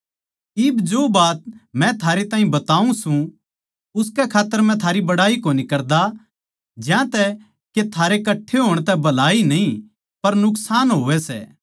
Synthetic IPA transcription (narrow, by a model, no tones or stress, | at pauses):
ɪbd͡ʒoːbaːt̪̚mɛ̃t̪ʰaːɾet̪ãːɦĩbɐt̪aːũsũ | ʊskɛkʰaːt̪ːəɾmɛ̃t̪ʰaːɾibɐɽaːikoːnikɐɾd̪a | d͡ʒjãt̪ɛ | ket̪ʰaːɾekɐʈʰːeɦoːɽ̃t̪ɛbɐlaːinɐɦĩ | pɐɾnʊksaːnɦoːʋɛsɛ̰ː